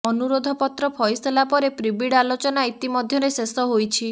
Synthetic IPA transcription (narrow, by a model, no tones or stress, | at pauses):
ɔnuɾod̪ʱɔpɔt̪ɾɔpʰɔjst̪ʰelapɔɾepɾibiɽalot͡ʃɔnait̪imɔd̪ʱjɔɾesesɔɦojt͡ʃʰi